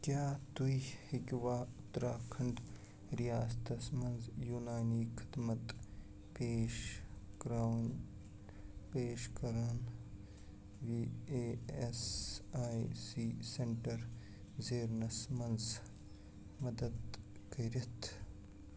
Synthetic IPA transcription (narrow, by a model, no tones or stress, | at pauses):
kjaːt̪uihɪkʲʋaːʊt̪ːɾaːkʰɐɳɖ | ɾijaːst̪ɐsmɐnzjuːnaːniːkʰɪ̥d̪mɐt̪ | peːʃɡɾaːwn | peːʃkɐɾaːn | ʋiːeːesaːjsiːseɳʈɐɾ | zeːɾnɐsmɐnz | mɐd̪əd̪ | kɐɾɐt̪ʰ